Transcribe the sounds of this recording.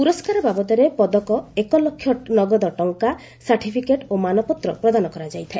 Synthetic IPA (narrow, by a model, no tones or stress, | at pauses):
puɾɔskaɾɔbabɔt̪ɔɾepɔd̪ɔkɔekɔlokʰːjɔnɔɡɔd̪ɔʈɔŋka | saɾʈʰipʰikeʈomanɔpɔt̪ɾɔ̰pɾɔd̪anɔkɔɾad͡ʒajt̪ʰae